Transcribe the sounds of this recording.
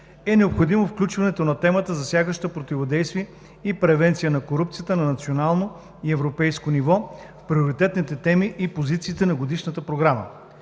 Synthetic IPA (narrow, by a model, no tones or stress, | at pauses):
ɛnɛopxod̪imofklʲut͡ʃvɐnɛt̪onɐt̪ɛmət̪əzɐsjaɡəʃt̪əpɾot̪ivod̪ɛjst̪viɛ | ipɾɛvɛnt̪sijənɐkoɾup̚t̪sijət̪ənɐnɐt̪sionalˠno | iɛvɾopɛjskonivɔfpɾioɾit̪ɛt̪nit̪ɛt̪ɛmiʔipozit̪siːt̪ɛnɐɡod̪iʃnət̪əpɾoɡɾamə̰